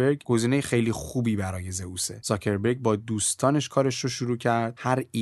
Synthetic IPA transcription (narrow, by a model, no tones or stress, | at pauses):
eɾɡɡ̥o̞ziːnejexe̞jlixuːbiːbæɾɒːje̞ze̞use̞̰z̥ɒcʰe̞ɾbeɾɟ̚bɒːd̪uːst̪ʰɒːne̞ʃkʰɒːɾe̞ʃɾoʃuɾuːcʰæɾd̪̥hæɾi